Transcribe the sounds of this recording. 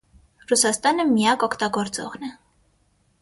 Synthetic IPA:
rusɑst̪ɑnəmijɑkɔkʰt̪ɑɡɔɾt͡sɔ̰ʁnɛ

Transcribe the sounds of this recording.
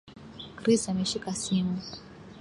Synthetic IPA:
kɾisameʃikasimu

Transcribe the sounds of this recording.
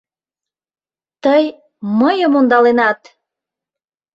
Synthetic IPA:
t̪əj | məjəmond̪ɑlenɑt̪

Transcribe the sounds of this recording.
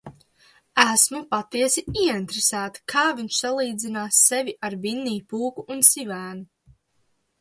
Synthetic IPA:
æsmupat̪iɛsiiɛint̪ɾesæːt̪i̥kʰaːviɲʃsalˠiːd̪zinaːsːeviʔaɾvinːiːpuːkuʔːnsivæːnu

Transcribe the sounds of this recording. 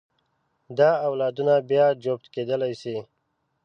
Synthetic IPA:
d̪aːwlɑːd̪unabjad͡ʒop̚t̪ked̪əlajsi

